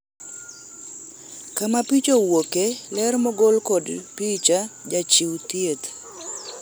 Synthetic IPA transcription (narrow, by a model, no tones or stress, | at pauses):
kamapit͡ʃowokelɛɾmɔɡɔlkɔdpit͡ʃad͡ʒat͡ʃiwt̪jet̪